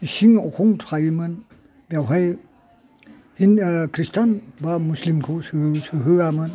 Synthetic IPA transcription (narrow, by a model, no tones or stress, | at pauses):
isiŋɔkʰɔŋtʰajimɯn | bjawɦaj | hinkʰɾistanbamuslimkʰosɯsɯɦɯamɯn